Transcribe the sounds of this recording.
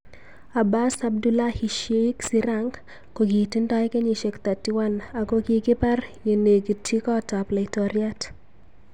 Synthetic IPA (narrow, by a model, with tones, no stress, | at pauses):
a˨ba˦sa˦b̚du˦la˦hi˨ʃe˦i˦ksi˦ɾa˦ŋɡ | ko˨ɡi˨ti˦nda˦jke˦ɲi˨ʃe˨kt̪a˨tːi˦wa˦na˨ko˦ɡi˨kɪ˦pa˦rje˨ne˨ɡi˨tʰi˦kɔ˦ta˨pla˨ɪtɔ˨ɾja˦t